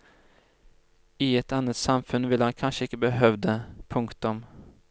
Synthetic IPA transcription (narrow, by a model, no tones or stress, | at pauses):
ɪɛt̪anːət̪samfɵnːvɪlːəhankʰanʂəɪkːəbəɦœvd̪əpʰɵŋkt̪ɵm